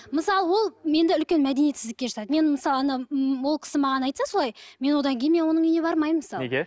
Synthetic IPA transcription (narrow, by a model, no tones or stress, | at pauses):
məsɑlˠəwo̞lˠme̞nd̪ɪʏlkʲe̞nmæd̪e̞nijet̪sɪzd̪ɪkʲːe̞ʒɑsɑd̪əme̞nməsɑlˠəɑnɑwo̞lˠkʲʰɪ̥sɪmɑʁɑnɑjt̪sɑso̞lˠɑjme̞nwo̞d̪ɑŋkʲejɪnme̞nwo̞nəɴijne̞bɑɾmɑjməsɑlˠee